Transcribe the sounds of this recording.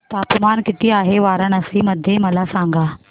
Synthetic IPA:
t̪aːpmaːnkɪt̪iaːɦeʋaːɾəɳ̃ɐsĩmɐd̪ʱjemɐlasãːŋ̆ɡaː

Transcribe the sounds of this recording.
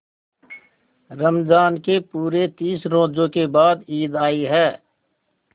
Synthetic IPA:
ɾəmd͡ʒaːnkepuːɾet̪iːsɾõːd͡ʒõkebaːd̪iːd̪aːiɦɛː

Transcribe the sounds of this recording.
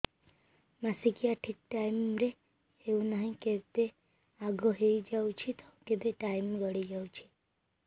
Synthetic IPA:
masikijaʈʰik̚ʈaimɾe | eũnaɦĩket̪e | aɡɔɦejd͡ʒawt͡ʃʰit̪ʰɔkeb̪eʈaimɡəɽid͡ʒawt͡ʃʰi̥

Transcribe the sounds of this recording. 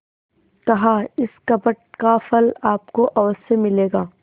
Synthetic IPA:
kɐɦaɪskɐbəʈ̚kafɐlaːpkoʔɐʋəssemɪleːɡaː

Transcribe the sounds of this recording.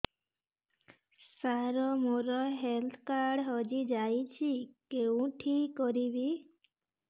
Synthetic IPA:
saɾɔmoɾɔɦelt̪ʰkaɾɽɦɔd͡ʒid͡ʒajt͡ʃʰikeũʈʰikːɔɾibi

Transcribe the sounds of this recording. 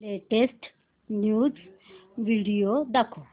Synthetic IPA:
leʈesʈ | njuːd͡z | ʋiɽijod̪akʰo

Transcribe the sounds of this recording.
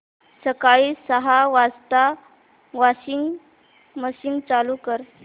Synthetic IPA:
səkaisəɦaʋast̪a | ʋaɕiŋ | məɕiŋɡt͡salukəɾ

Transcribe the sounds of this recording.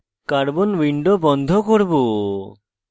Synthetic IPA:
kaɾbonwiɳɖobɔnd̪ʱokoɾbo

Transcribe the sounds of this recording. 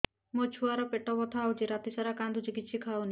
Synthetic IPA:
mot͡ʃʰuaɾɔpeʈɔbɔt̪ʰaːwd͡ʒiɾat̪isaɾakand̪ʱud͡ʒiɡit̪ːʃʰikʰawni

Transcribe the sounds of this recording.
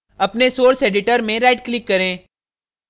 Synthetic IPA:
ɐpnesoːɾseːɖɪʈəɾmẽɾaːɖ̚klɪkːɐɾẽː

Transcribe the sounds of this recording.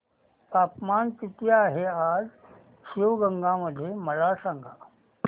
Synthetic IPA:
paːpmaːnt̪it̪jaːɦeaːz | sʋɡə̃ŋɡãməd̪ʱːjemɐlasãŋɡʱa

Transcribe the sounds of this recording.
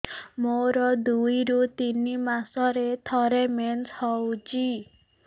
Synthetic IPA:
moɾɔd̪ujɾut̪inimasɔɾet̪ʰɔɾemenshɔwd͡ʒi

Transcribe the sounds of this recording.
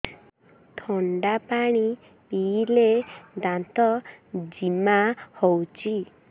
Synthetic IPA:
t̪ʰɔɳɖapaɽ̃i | piled̪ãnt̪ɔd͡ʒimahɔwt͡ʃʰi

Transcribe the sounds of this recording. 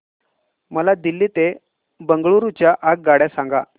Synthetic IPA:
məlad̪ilːiːt̪e | bəŋɡɭuɾut͡ɕjaʔak̚ɡaɽjasãŋɡa

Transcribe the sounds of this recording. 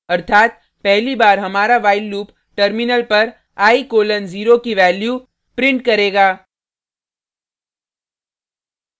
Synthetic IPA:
ɐɾt̪ʰaːt̪̚ | pɛɦlibaːɾɦɐmaːɾaʋaːɪlːuːp | ʈəɾmɪnəlpɐɾ | aːikoːlənziːɾokiʋɛːljuː | pɾɪ̃ɳʈkɐɾeːɡaː

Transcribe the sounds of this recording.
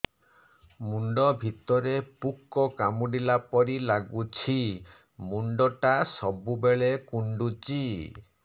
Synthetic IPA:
muɳɖɔbʱit̪ɔɾepukːɔkamuɖilapɔɾilaɡut͡ʃʰi | muɳɖɔʈasɔbubeɭekuɳɖut͡ʃi

